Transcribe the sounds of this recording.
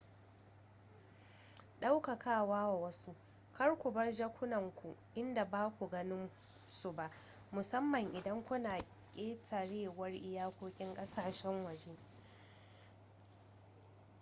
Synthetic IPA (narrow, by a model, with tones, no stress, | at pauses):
ɗa˦wka˨kʰaː˦˨waː˦wa˨wɐ˦su˦ | kʰɐ˦ɽkʷu˨bɐ˦rd͡ʒa˦kʷʊ˦nɐ˨ŋkʷu˨ʔɪ˦nda˨baː˦kʷu˨ɡɐ˦nɪ˦m | su˨ba˦ʔ | mʊ˨sɐ˦mːɐ˨ŋʔɪ˨dɐ˦ŋkʷʊ˦naː˨ | kʲʼeː˦tʰa˨ɽeː˦wɐ˦rʔɪ˦jaː˦kʷoː˦kʲʼɪ˦ŋkʼɐ˦saː˨ʃɛ˦ŋwɐ˨d͡ʒe˦